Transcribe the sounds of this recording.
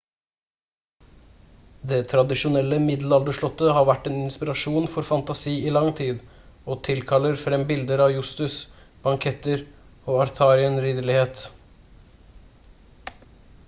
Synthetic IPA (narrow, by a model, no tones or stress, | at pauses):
d̪eːt̪ʰɾɑd̪ɪʃʊnɛləmɪd̪l̩ɑld̪əʂɭɔt̪ːəhɑːɾʋæʈːeːnɪnspɪɾɑʂuːnfɔɾfɑnt̪ɑsiːiːlɑŋt̪ʰiːd̪ | oːt̪ʰɪlkʰɑlːəɾfɾɛmbɪld̪əɾɑːʋjʉst̪ʉs | b̥ɑŋkʰɛt̪əɾoːɑɾθʰɑːɾɪənɾiːd̪əɭɪheːt̪